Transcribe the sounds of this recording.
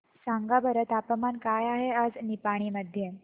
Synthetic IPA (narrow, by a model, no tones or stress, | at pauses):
saŋɡabəɾət̪apəmankajaɦead͡znipaɽ̃iːməd̪ʱje